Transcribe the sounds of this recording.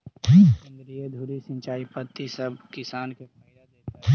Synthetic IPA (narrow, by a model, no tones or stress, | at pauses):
ɐ̃nd̪ɾijed̪ʱuːɾisə̃ɲt͡ʃaːipət̪ːisɐbkɪsaːnkekalad̪eː